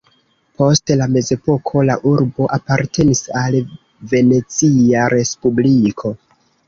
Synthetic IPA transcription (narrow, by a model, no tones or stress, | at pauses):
pʰo̞stlame̞ze̞po̞kʰo̞la̰ʔuɾbo̞ʔapaɾtʰe̞nisal | ve̞ne̞t͡siaɾʔe̞spublikʰo̞